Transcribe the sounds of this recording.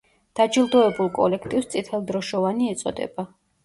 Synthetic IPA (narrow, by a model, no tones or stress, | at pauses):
d̪̥ad͡ʒilˠd̪ɔɛbulˠkʼɔ̰lɛkʰt̪ʼifst̪sʼit̪ʰɛlˠd̪ɾɔʃɔvaniɛt̪sʼɔ̰d̪ɛ̰ba